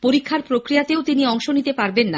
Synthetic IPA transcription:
poɾikʰːaɾpɾokɾijat̪eot̪iniɔŋʃonit̪epaɾbenːa

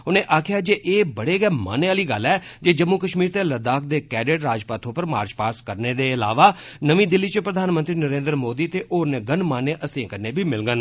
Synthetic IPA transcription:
ʊnẽːʔaːkʰɪjaːd͡ʒeːʔeːbəɽeːɡɛːma̰ːneːaːliːɡəlːɛːd͡ʒeːd͡ʒəmːuːkəʃmiːɾt̪eːləd̪aːk̚d̪eːkɛːɖɪɖɾaːd͡ʒpat̪ʰoːpəɾma̰ːɾd͡ʒpaːskəɾneːd̪eːɪlaːʋaːnəʋĩːd̪ɪlːiːt͡ʃəpɾəd̪ʱaːnmə̃nt̪ɾiːnəɾẽːnd̪ɾmoːd̪iːt̪eːʔoːnẽːɡənmaːneːʔəst̪ẽːkəɾneːbʱiːmɪlɡən

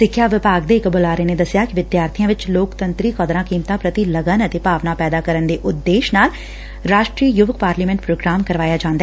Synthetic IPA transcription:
sɪkʰːjaːʋɪpaːɡd̪ekbolaːɾened̪ɐsjakiʋɪd̪jaːɾt̪ʰijãːʋɪt͡ʃloːkt̪ə̃nt̪ɾikɔd̪ɾãkiːmt̪apɾət̪iləɡənət̪epaːʋnapɛːd̪akɐɾənd̪eʔʊd̪ːeːʃnaːl | ɾaːʃʈɾiːjʊʋəkpaːɾliːmɛ̃ɳʈ̚pɾoːɡɾaːmkɐɾʋaːjad͡ʒãːnd̪a

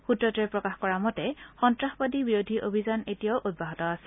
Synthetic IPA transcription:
xutɹɔtɔɛpɹɔkaxkɔɹamɔtɛxɔntɹaxbadibiɹodʱiʔobʱizanetijaʊʔut̚baɦɔtɔasɛ

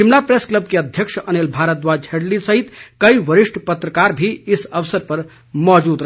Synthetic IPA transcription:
t͡ʃimnapɾeskləb̚keəd̪ʱjəkʃənelbʱaːɾət̪̚d̪ʋad͡ʒʱeɽlisəɦit̪kəiʋəɾɪʃʈʰpət̪ɾəkaɾbʱiɪsəʋsəɾpəɾ | mɔd͡ʒuːd̪ɾə

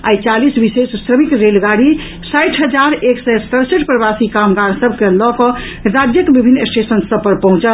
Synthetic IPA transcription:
a̰it͡ʃalisbisessɾəmikɾelɡaɾi | sajʈʰɦəd͡ʒaɾeksɛst̪əɾsəʈpɾəbasikamɡaɾsəbʱkelɔkɔ | ɾad͡ʒjəkebibʱinːesʈesənsəb̚pəɾpəɦũt͡ʃə

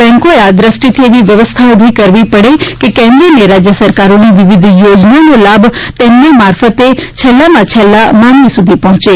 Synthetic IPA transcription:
ɛ̃ŋkoead̪ɾəsʈit̪ʰieʋiʋjəʋəst̪ʰaobʱikəɾʋipəɽekekɛ̃nd̪ɾineɾad͡ʒjəsəɾkaɾoniʋɪʋɪd̪ʱjod͡ʒnanolabʱt̪emnemaɾfət̪et͡ʃʰɛlːamãt͡ʃʰɛlːamãŋɡisud̪ʱipɔɦt͡ʃe

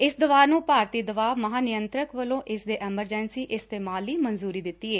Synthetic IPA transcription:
ɪsd̪əʋaːnũːpaːɾt̪iːd̪əʋaːʋməɦaːnɪjənt̪ɾəkʋəlõːʔɪsd̪eːʔɛːməɾd͡ʒɛːnsiːʔɪst̪eːmaːliːmənzuːɾiːd̪ɪt̪ːiːeː

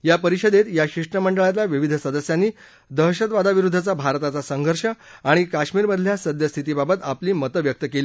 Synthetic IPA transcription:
japəɾiɕəd̪et̪jaɕiʂʈəməɳɖəɭat̪laʋiʋid̪ʱsəd̪əsjanːiː | d̪əɦɕət̪ʋad̪aʋiɾud̪ʱːat͡sabʱaɾt̪at͡sasəŋɡʱəɾʂəaɽ̃ikaʂmiːɾməd̪ʱljasəd̪jəst̪ʰit̪iːbabət̪apliːmət̪əʋjək̚t̪əkeliː

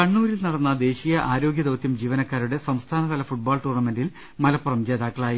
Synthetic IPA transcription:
kɐɳːuːɾilnɐɽɐnːɐd̪e̞ːɕijɐʔaːɾo̞ːɡjɐd̪oʋt̪jɐmd͡ʑiːʋɐnɐkːaːɾuɽe̞sɐmst̪ʰaːnɐðɐlɐfuʈ̚baːlʈuːrnɐmenɖil | mɐlɐpːurɐmt͡ɕe̞ːðaːkːɐɭaːji

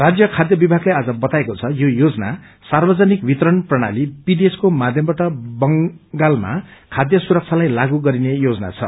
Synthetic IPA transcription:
rad͡zjʌkʰad̪jʌbibʱaɡlead͡zʌbʌt̪aekot͡sʰʌjojod͡zʌna | sarbʌd͡zʌnikbʱit̪rʌnprʌɽ̃a̰libid̪eskomad̪ʱjʌmbaʈʌbʌŋɡalma̰kʰad̪jʌsuɾʌk̚t͡sʰalajlaɡuɡʌɾinejod͡zʌna̰t͡sʰʌ̰

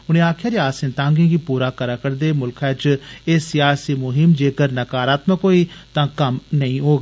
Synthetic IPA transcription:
ʊñẽːaːkʰjaːɾiaːsɪ̃nt̪ãːŋɡẽːɡiːpuːɾaːkəɾaːkəɾd̪eːmʊlkʰaːt͡ʃeːsɪjaːsiːmʊɦɪmd͡ʒeːkəɾnəkaːɾaːt̪məkːoːiːt̪ãːkəmnəĩːɦoːɡ

